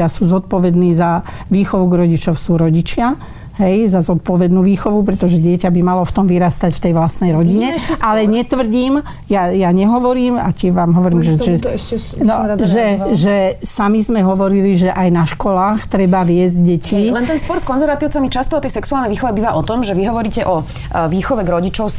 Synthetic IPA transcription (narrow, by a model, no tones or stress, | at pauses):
asuzɔt̪̚pɔʋɛd̪niːza | ʋiːxɔʋuɡɾɔɟit͡ʃɔʊsuɾɔɟit͡ʃɪa | ɦɛjzazɔt̪̚pɔʋɛd̪nuːʋiːxɔʋup̬ɾɛt̪ɔʒɛɟɪɛcabimalɔft̪ɔmʋiɾaːst̪acft̪ɛjʋlasnɛjɾɔɟiɲɛalɛɲɛt̪ʋr̩ɟiːm | jajaɲɛɦɔʋɔɾiːma̰cɪɛʋaːmɦɔʋɔɾiːmʒɛɛ | nɔʒɛʒɛsamizmɛɦɔʋɔɾiliʒɛʔajnaʃkɔlaːxt̪ɾɛbaʋɪɛzɟɟɛcʰilɛnt̪ɛnspɔɾskɔnzɛɾʋat̪iʊt͡samit͡ʃast̪ɔɔt̪ɛjsɛksualnɛjʋiːxɔʋɛbiːʋaʔɔt̪ɔmʒɛʋiɦɔʋɔɾiːcɛʔɔ | ʋiːxɔʋɛɡɾɔɟit͡ʃɔʊs